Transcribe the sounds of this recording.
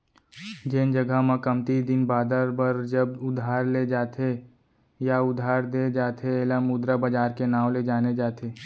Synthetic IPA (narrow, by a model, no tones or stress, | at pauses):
d͡ʒeːnd͡ʒəɡamãkəmt̪id̪ɪnbaːd̪əɾbəɾd͡ʒəbʊd̪ʱaːɾled͡ʒaːt̪ʰe | jaʊd̪ʱaːɾd̪ed͡ʒaːt̪ʰeeːlamʊd̪ɾabɐd͡ʒaːɾkenaːʋled͡ʒaːned͡ʒaːt̪ʰeː